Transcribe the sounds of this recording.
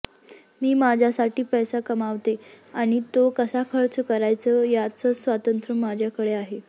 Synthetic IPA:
miːmad͡ʑʱjasaʈiːpəjsakəmaʋt̪eaɽ̃it̪okəsakʰəɾt͡skəɾajt͡səjat͡səsʋat̪ənt̪ɾəmad͡ʑʱjakəɽeaɦe

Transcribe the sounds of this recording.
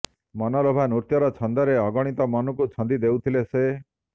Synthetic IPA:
mɔnɔlobʱanuɾt̪jɔɾɔt͡ʃʰɔnd̪ɔɾeɔɡɔɽ̃it̪ɔmɔnukut͡ʃʰɔnd̪id̪ewt̪ʰilese

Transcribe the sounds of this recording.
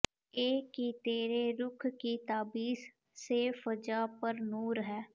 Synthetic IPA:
eːkit̪eːɾeɾʊkʰkit̪aːbiːs | sefəd͡ʒaːpəɾnuːɾɦɛː

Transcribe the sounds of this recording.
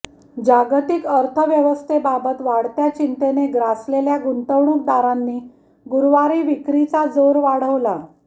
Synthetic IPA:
d͡ʑaɡt̪ikəɾt̪ʰəʋjəʋəst̪ʰebabət̪ʋaɽt̪jat͡ɕint̪eneɡɾasleljaɡunt̪əwɳuk̚d̪aɾanːiː | ɡuɾʋaɾiːʋikɾit͡sad͡zoɾʋaɽ̤əʋla

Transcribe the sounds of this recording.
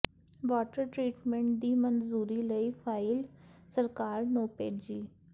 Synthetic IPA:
ʋaːʈəɾʈɾiːʈmẽɳʈ̚d̪iːmənzuːɾiːləiːpʰaːɪlsəɾkaːɾnoːpeːd͡ʒiː

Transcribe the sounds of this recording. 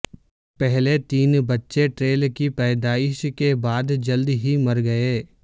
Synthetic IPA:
pɛɦlet̪iːnbɐtːʃeʈɾeːlkipɛːd̪aːɪʃkebaːd̪d͡ʒɐld̪ɦimɐɾɡɐeː

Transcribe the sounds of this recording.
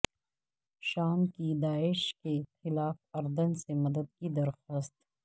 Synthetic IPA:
ʃaːmkid̪aːɪʃkexɪlaːfɐɾd̪ənsemɐd̪əd̪̚kid̪ɐɾxəst̪

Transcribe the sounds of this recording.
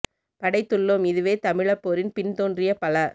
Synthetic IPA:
pɐɽɐɪt̪ːɯɭːoːmɪðɯʋeːt̪ɐmɪɭɐpːoːɾɪnpɪnt̪oːndrɪjɐpɐlɐ

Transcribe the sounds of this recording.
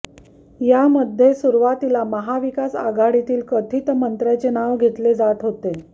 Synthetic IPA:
jaməd̪ʱːjesuɾʋat̪ilaməɦaʋikasa̰ɡaɽit̪iːlkət̪ʰiːt̪mənt̪ɾat͡ɕenaʋɡʱet̪led͡zat̪ɦot̪e

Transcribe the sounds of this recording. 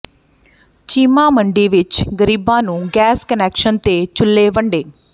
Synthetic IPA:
t͡ʃiːmãːməɳɖiːʋɪt͡ʃɡəɾiːbãːnũːɡɛːskənɛːkʃənt̪eːt͡ʃʊlːeːʋəɳɖeː

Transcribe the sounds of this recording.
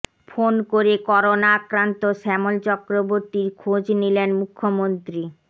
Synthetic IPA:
fonkoɾekɔɾonaakɾant̪oʃɛmolt͡ɕɔkɾoboɾt̪iɾkʰod͡ʑnilenmukʰːomont̪ɾi

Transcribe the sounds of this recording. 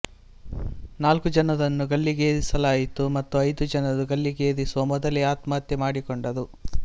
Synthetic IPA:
naːlkud͡ʒɐnɐdɐnːuɡɐlːiɡeːd̪isɐlaːjit̪umɐt̪ːuɐjd̪ud͡ʒɐnɐduɡɐlːiɡeːd̪isuʋɐmɔd̪ɐleaːt̪maːt̪jɐmaːɽikoɳɖɐd̪u

